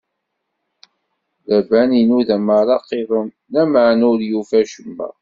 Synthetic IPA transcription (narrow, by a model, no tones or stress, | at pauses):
lævæninuðæmaɾˤɑqːeðˤənːæmaʕnʊɾjufæʃəmːæ̰